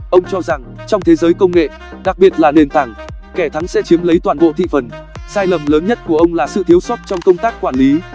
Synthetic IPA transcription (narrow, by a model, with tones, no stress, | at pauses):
ʔə˧wŋ͡mt͡ɕɔ˧za˨˩ŋt͡ɕɔ˧wŋ͡mt̪ʰe˨˦zəː˨˦jkə˧wŋ͡mŋḛ˧˨ | ɗa˨˩k̚ɓi˨˩ət̚laː˨˩ne˨˩nt̪ʰa˧˩ŋkɛ˧˩t̪ʰa˨˦ŋsɛ̰˧˥t͡ɕi˨˦mlə˨˦jt̪waː˨˩nɓo̰˧˨t̪ʰḭ˧˨fə˨˩n | saː˧jlə˨˩mləː˨˦nɲə˦˥t̚ku˧˩əʔə˧wŋ͡mlaː˨˩sɨ̰˧˨t̪ʰi˨˦wswə˦˥t̚t͡ɕɔ˧wŋ͡mkə˧wŋ͡mt̪aː˦˥k̚kːwaː˧˩nli˨˦